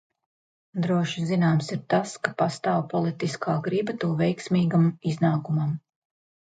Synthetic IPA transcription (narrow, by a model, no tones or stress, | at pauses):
d̪ɾuɔʃizinaːmsiɾt̪askapast̪aːwpɔlˠit̪iskʰaːɡɾibat̪uːvɛjksmiːɡamiznaːkumam